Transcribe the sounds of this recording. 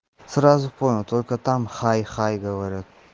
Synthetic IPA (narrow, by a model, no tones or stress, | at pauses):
sɾazupʰojnut̪ʰolʲkʰat̪ʰamχajχajɡɐwɐɾet̪